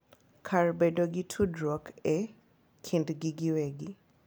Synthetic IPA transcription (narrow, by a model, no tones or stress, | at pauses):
kʰarbedoɡitʰudɾɔkʰɛ | kʰindɡiɡiwɛɡi